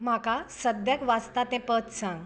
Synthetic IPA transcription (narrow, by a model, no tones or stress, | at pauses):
m̤akasəd̪jakʋast̪at̪ɛ̃pət̪sãŋɡ